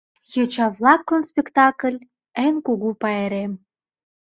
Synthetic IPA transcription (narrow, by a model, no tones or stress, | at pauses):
jot͡ɕɑvlɑklə̆nspʲekt̪ɑkəlʲ | enʲkuɣupɑeɾem